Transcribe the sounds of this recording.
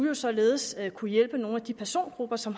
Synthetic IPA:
ujo̝sɒ̽le̝ːð̞̩ˠsøkʰujel̰b̥əno̝ːnæd̥ipʰæɐso̝̰ːnɡ̥ʁub̥ɐsɒ̽m

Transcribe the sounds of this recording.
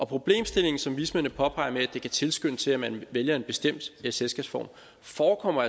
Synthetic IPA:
ʔɒ̽pʰʁo̝b̥le̝̰ːmsd̥e̝le̝ŋn̩sɒ̽mʋismenəpʰɒ̽pʰɑ̈ɪ̰ɐmeæd̥e̝kʰæt͡sʰe̝lsɡ̥øn̰ət͡sʰe̝læmænʋeljɐe̝nb̥e̝sd̥em̰d̥eselsɡ̥ɛb̥sfɒ̰ːm | fɒːkʰɒ̽m̰ɐæ

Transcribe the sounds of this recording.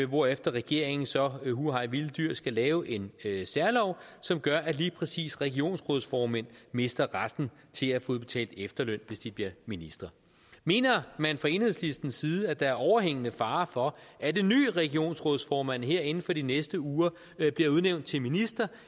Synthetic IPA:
ʋɒefd̥ɐʁɛɡ̥e̝ɐ̰e̝ŋn̩sɒ̽huɦɑ̈ɪʋild̥yɐ̰sɡ̥ælɛːʊʔe̝nsæɐlɒʊsɒ̽mɡ̥ɶɐʔæliːpʰʁɛsḭːsʁɛɡ̥io̝̰ːnsʁɔð̞ˠsfɒːmæn̰me̝sd̥ɐʁasd̥n̩ | t͡sʰe̝læfoðˠb̥e̝t͡sʰɛ̰ːld̥efd̥ɐløn̰ʋe̝sd̥ib̥liɐminisd̥ʁɐ | me̝̰ːnɐmænfʁɑ̈e̝ːnhe̝slisd̥n̩siːð̩ˠæd̥ɑ̈æɐʔɒʊɐɦeŋ̰ənəfɑ̈ːfɒ̽ʔæd̥e̝nːy̰ːʁɛɡ̥io̝̰ːnsʁɔðˠsfɒːmæn̰ɦe̝ɐ̰e̝n̩fɒ̽ɾinesd̥əuːɐ | b̥liɐuð̞ˠneʊnd̥̚t͡sʰe̝lminisd̥ɐ

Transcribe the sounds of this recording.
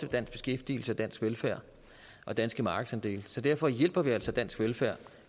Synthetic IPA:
əʋed̥æn̰sb̥e̝sɡ̥efd̥ḭːl̩səæd̥æn̰sɡ̥ʋelfæɐ̰ | ʔɒ̽d̥ænsɡ̥əmɑ̈ːɡ̥əsænd̥e̝̰ːlsɒ̽d̥æɐ̰fɒ̽jel̰b̥ɐʋiæl̰sɒ̽d̥æn̰sɡ̥ʋelfæɐ̰

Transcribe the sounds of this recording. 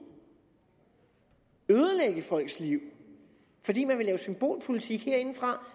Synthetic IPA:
øðˠəleɡ̥əfɒ̽l̰ɡ̥sliʊ̰ | fɒ̽d̥ḭːmænʋe̝lɛːʊsymb̥o̝̰ːlpʰo̝lit͡sʰiɡ̥heɐe̝n̩fʁɑ̈

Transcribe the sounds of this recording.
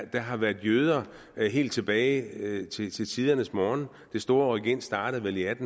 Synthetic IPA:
d̥æ̈ɦɑ̈ʋæɐðˠjøːð̞ˠɐ | ɦe̝̰ːld̥t͡sʰe̝b̥ɛːɪt͡sʰe̝t͡sʰe̝t͡sʰið̞ˠɐnəsmɒːn | d̥e̝sd̥o̝ːɐɒiɡ̥en̰̥sd̥ɑ̈ːɾ̥əð̩ˠʋeliæd̥n̩

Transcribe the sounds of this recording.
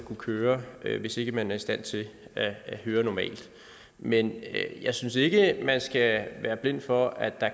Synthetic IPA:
kʰukʰøːɐʋe̝se̝ɡ̥əmænæɐisd̥æn̰t͡sʰe̝æhøːɐnɒmɛ̰ːld̥ | menjɑ̈ɪsynse̝ɡ̥əmænsɡ̥æʋæːɐb̥le̝n̰d̥fɒ̽æd̥ɑ̈

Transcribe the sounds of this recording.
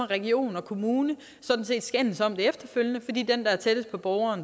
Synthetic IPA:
ɐʁɛɡio̝̰ːnɒ̽kʰo̝muːnə | sɒ̽d̥n̩se̝̰ːd̥sɡ̥en̰n̩sɒ̽m̰d̥e̝efd̥ɐføljənəfɒ̽d̥ḭːd̥end̥ɑæɐt͡sʰed̥əs̚pʰɒ̽b̥ɒʊɐːn

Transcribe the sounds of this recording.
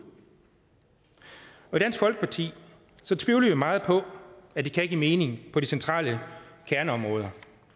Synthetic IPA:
ɒ̽id̥ænsɡ̥fɒ̽lɡ̥ə̥pʰɑ̈t͡sʰḭː | sɒ̽t͡sʰʋiːʊləʋimɑ̈ːð̩ˠpʰɒ̽æd̥ekʰæe̝ɡ̥ɡ̥iːme̝ːne̝ŋpʰɒ̽d̥isent͡sʰʁɑ̰̈ːləkʰæɐnəɒ̽mʁɔ̽ːð̞ˠɐ

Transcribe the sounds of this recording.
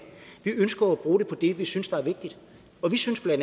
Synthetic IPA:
ʋiʔønsɡ̥ɐːb̥ʁuːɾe̝pʰɒ̽d̥e̝ʋisynsd̥ɑ̈æɐʋe̝ɡ̥̚d̥id̥ | ɒ̽ʋisynsb̥lænd

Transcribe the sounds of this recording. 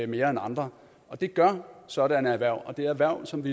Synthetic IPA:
me̝ːɐenɑ̈nd̥ʁɐ | ʔɒ̽d̥e̝ɡ̥ɶɐsɒ̽ɾ̥ænəæʋæɐ̰ɒ̽d̥e̝æɐæʋæɐʊ̰sɒ̽mʋi

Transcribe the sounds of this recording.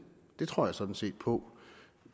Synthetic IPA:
d̥e̝t͡sʰʁo̝ɐ̰jɑ̈sɒ̽d̥n̩se̝̰ːd̥̚pʰɒ̽

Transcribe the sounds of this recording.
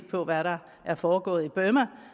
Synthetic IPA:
pʰɒ̽ʋæɾɑ̈ | ʔæɐfɒːɡ̥ɔ̰̽ːð̩ˠib̥ømɐ

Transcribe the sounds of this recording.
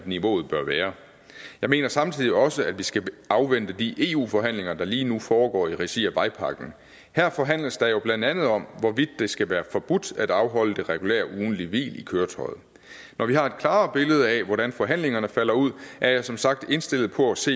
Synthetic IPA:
dniʋo̝̰ːð̞̩ˠb̥ɶɐʋæːɐ | jɑ̈ɪme̝̰ːnɐsɑ̈mt͡sʰið̰ˠiɒ̽səæd̥ʋisɡ̥æɑ̈ʊʋen̰d̥əd̥iʔe̝ːṵːfɒ̽ɦæn̰le̝ŋɐd̥ɑ̈liːnufɒːɡ̥ɒ̰ːiʁɛsiæʋɑ̈ɪpʰɑ̈ɡ̥n̩ | hæɐfɒ̽ɦæn̰ləsd̥ɑ̈jo̝b̥lænd̥ænð̞̩ˠɒ̽m̰ʋɒʋid̥ːe̝sɡ̥æʋæːɐfɒb̥ud̥æd̥ɑ̈ʊɦɒ̽l̰əd̥e̝ʁɛɡ̥ulḛːɐʔuːn̩liʋḭːlikʰøːɐt͡sʰɒ̽ɪð̩ˠ | nʔɒʋihɑ̈e̝d̥̚kʰlɑ̈ːb̥e̝ləð̞ˠɛʋɒɾænfɒ̽ɦæn̰le̝ŋɐnəfæl̰ɐuð̞̰ˠʔæɐjɑ̈ɪsɒ̽msɑ̈ɡ̥̚d̥e̝nsd̥e̝l̰ð̩ˠpʰɒ̽æse̝̰ː

